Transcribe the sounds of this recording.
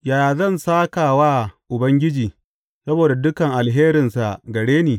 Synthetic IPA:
jaː˨jaː˨zɐ˦˨nsaː˦kaː˨waː˦ʔʊ˨bɐ˦ŋɡʲɪ˦d͡ʒiː˨ | sɐ˦boː˨da˨dʊ˦kɐ˨ŋʔa˨lɦeː˦ɾɪ˨nsa˨ɡɐ˨ɽeː˦neː˨

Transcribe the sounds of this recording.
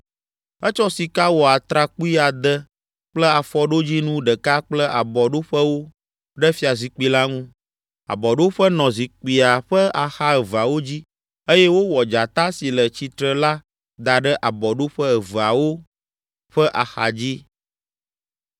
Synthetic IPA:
ə˦t͡ʃɔ˦si˨ka˦wɔ˨a˨t̪ɾa˨ku˦i˦a˨d̪ə˦ | k͡plə˦a˨fɔ˦ɖo˦d͡ʑi˦nũ˦ɖə˨ka˦k͡plə˦a˨bɔ˨ɖo˦ɸə˦wo˦ | ɖə˦fi˦a˨zi˨k͡pi˨˦la˦ŋũ˦ | a̰˨bɔ˨ɖo˦ɸə˦nɔ̃˨zi˨k͡pi˨a˨ɸə˦a˨xa˦ə˨və˨a˨wo˦d͡ʑi˦ | ə˦jɛ˦wo˦wɔ˨d͡ʒa˨t̪a˦si˨lə˨t͡ɕi˨t̪ɾə˦la˦ | d̪a˨ɖə˦ʔa˨bɔ˨ɖo˦ɸə˦ə˨və˨a˨wo˦ | ɸə˦ʔa˨xa̰˨d͡ʑi˦

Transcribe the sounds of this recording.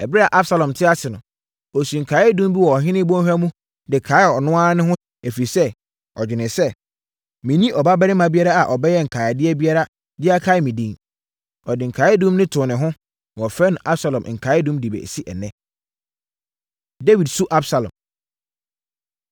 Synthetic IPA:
ɛ˨bɾa˨ʔa˦bsa˨lɔ̃˨mtʰɪ˦a˦sɪ˨nʊ̃˨ | ɔ˨su˨ŋ̩˨kʰa˨˦ɪ˦dũ˦m˦bi˦wɔ˨ɔ˨ɦɪ̃˦nɪ̃˦bɔ̃˦hᶣa˦mũ˦ | dɪ˨kʰaː˨˦ɪ˦˨ɔ˨nʊ̃˦aː˦nʊ̃˦ɦʊ̃˦ | æ˨fi˨sɛ˦ | ɔ˨d͡ʑᶣɪ˨nɪ̃˨sɛ˦ | mĩ˨nĩ˦ʔɔ˨ba˦bɛ˦ɾɪ̃˦mã˨bi˦a˦ɾa˦a˨ʔɔ˨bɛ˦jɛ˦ŋ̩˨kʰaː˨ɪ˨dɪ˦ɛ˦bi˦a˦ɾa˦ | dɪ˦a˦kʰa˨˦ɪ˦mĩ˨dĩ˨ŋ | ɔ˨dɪ˨ŋ̩˨kʰaː˨˦ɪ˦dũ˦mnɪ̃˦tʰʊː˨nɪ̃˨ɦʊ̃˦ | ñ˨ɔ˨fɛ˦nʊ̃˨ʔa˦bsa˨lɔ̃˨m˨ŋ̩˨kʰa˨˦ɪ˦dũ˦mdi˨bɛ̰˨si˦ʔɛ̰˨nɛ̃˦ | de˦wi˨dsu˦ʔa˦bsa˨lɔ̰̃˨m

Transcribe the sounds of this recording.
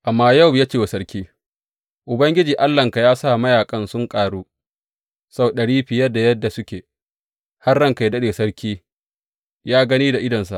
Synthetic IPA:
ʔa˨mːaː˦ja˦˨wjaː˦t͡ʃeː˨wa˨sɐ˦ɾkʲiː˦ | ʔʊ˨bɐ˦ŋɡʲɪ˦d͡ʒiː˨ʔa˦lːɐ˨ŋka˨jaː˦sa˦˨mɐ˦jaː˨kʼɐ˦nsʊ˦ŋkʼaː˨ɽuː˦ | sa˦wɗɐ˨ɽiː˦ɸɪ˨jɐ˦da˨jɐ˦dːa˨sʊ˦kʲeː˨ | ha˦rːɐ˦ŋka˨jdɐ˦ɗeː˨sɐ˦ɽkʲʰiː˦ | jaː˦ɡɐ˦niː˦da˨ʔɪ˦dɐ˨nsa̰˨ʔ

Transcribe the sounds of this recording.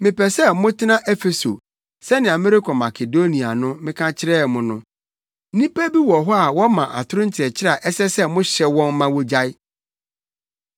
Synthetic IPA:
mɪ̃˨pʰɛ˨sɛ˦mʊ̃˦tʰɪ˦nã˦ʔɛ˦fe˨so̰˨ | sɛ˦nɪ̃˨ã˨mɪ̃˦ɾɪ˦kʰɔ˨ma˨kʰe˨do˦nĩ˨a̰˨nʊ̃˦mɪ̃˦kʰã˦t͡ɕʰɪ˦ɾɛː˦˨mʊ̃˨˦nʊ̃˦ | nĩ˦pɛ˦bi˦wɔ˨ɦɔ˦a˨wɔ˦mã˨ʔa̰˨tʰʊ˦ɾʊ̃˦n̩˦tʰɪ˨ɛ˨t͡ɕʰɪ˦ɾa˨ʔɛ˦sɛ˦sɛ˦mʊ̃˦ɕɛ˦wɔ̃˦n˦mã˦wɔ˦d͡ʑa˦ɪ˦

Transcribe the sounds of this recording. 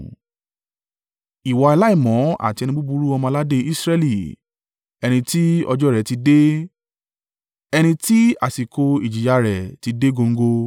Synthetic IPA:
i˨wɔ˨i˧la˦i˦˨mɔ̃˨˦a̰˨ti˧ɛ˧ñĩ˧bu˦bu˧˦ɾu˦ɔ˧mɔ̃˧la˦de˦i˦sɾɛ˦˧li˨ | ɛ˧ñĩ˧ti˦ɔ̰˧d͡ʒɔ˦˨ɾɛ˨ti˧de˦ | ɛ˧ñĩ˧ti˦a̰˨si˨ko˧i˨d͡ʒi˨ja˧ɾɛ˨ti˧de˦ɡo˧ŋ̩˦ɡo˧

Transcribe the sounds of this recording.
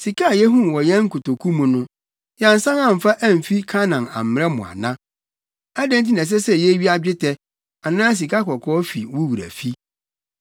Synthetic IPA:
si˨kʰa˦˨jɛ˦ɦũ˦n˨wɔ˨jɛ̃˦ŋ̩˦kʊ˨to˨kʰu˦mũ˨nʊ̃˦ | jã˨n̩˨sã˦ŋã˦˨m̩˨fa˦ʔæ˦m̩˨fi˦kʰa˦nã˨na̰˨m̩˨m˦˨ɛ˦mʊ̰̃˨a̰˨nã˦ | a˦dɛ̃˦n˦t̬i˦nɛ̃˨s̬ɛ˦sɛ˦jɛ˦ɥi˦a˦d͡ʑᶣɪ˦tʰɛ˦ | a˨nãː˦s̬i˨ka˦kʰɔ˨kʰɔː˦fi˨wu˦wu˨ɾæ̰˨fi˦

